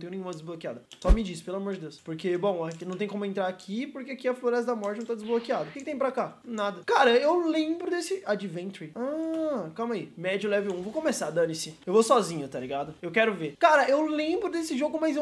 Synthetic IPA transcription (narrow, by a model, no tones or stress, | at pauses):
t̪ẽj̃ʊ̃nẽũmɐd̪ɪzblokia̰d̪ɐsɔmɪd͡ʒisɪ̥pelamoɾd͡ʒɪd̪ewspoɾkebõw̃anɐ̃w̃t̪ẽj̃kõmʊẽnt̪ɾaɾakʰipoɾkeakiɐfloɾɛs̬ɐd̪ɐmɔɾt͡ʃɪñt̪ad̪d͡ʒɪzblokiad̪ɐʊkekɪt̪ẽj̃pɾakanad̪ɐkaɾɐewlẽbɾʊd̪esɪad͡ʒivẽnt̪ɾiakamɐimɛd͡ʒʊlɛvɪũvokõmesad̪ɐ̃nisĩewvosɔzĩɲʊt̪aliɡad̪ʊewkɛɾʊveɾkaɾɐʔewlẽbɾʊd̪esɪʒoɡʊmajzew